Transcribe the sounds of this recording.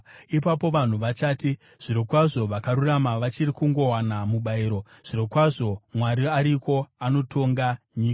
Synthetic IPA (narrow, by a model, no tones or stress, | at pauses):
ipapo̞ʋan̤uʋat͡ʃaːti | ʐ̥iɾokwaʐo̞ʋakaɾuramaʋat͡ʃirikuŋɡo̞wanamuɓaiɾo̞ | ʐ̥iɾokwaʐo̞mwaɾiaɾiko̞ano̞tʰo̞ŋɡaɲiːka